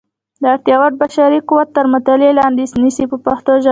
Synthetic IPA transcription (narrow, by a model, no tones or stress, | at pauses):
d̪əaɾt̪jɑwaʈ̪̚baʃɑɾikuwat̪ːəɾmʊt̪alelɑnd̪isnisipəpaxt̪oʒa